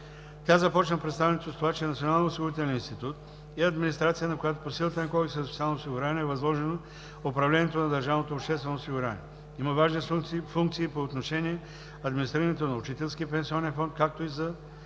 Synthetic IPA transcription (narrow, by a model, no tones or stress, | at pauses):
tʲazɐpɔt͡ʃnəpɾɛt̪st̪avɛnʲɛt̪ost̪ovat͡ʃɛnɐt̪sʲionalˠnosiɡʊɾit̪ɛlɛninst̪it̪ut̪ | ɛɐd̪minist̪ɾat̪sijənɐkojat̪oposilˠət̪ənɐkɔɡsɛspʲt̪ialˠnosiɡʊɾanɛvɐzlˠɔʒɛno | opɾɐvlɛnʲɛt̪onɐd̪ɐɾʒavnot̪opʃt̪ɛst̪vɛnoːsiɡuɾʲa̰nʲḭɛ | imɐvaʒnifuŋk̚t̪siːpoːt̪noʃɛniɛ | ɐd̪minist̪ɾiɾənɛt̪onɐʊt͡ʃit̪ɛlˠskiəpɛnsiɔnɛnfɔnt̪̚kak̚t̪oizɐ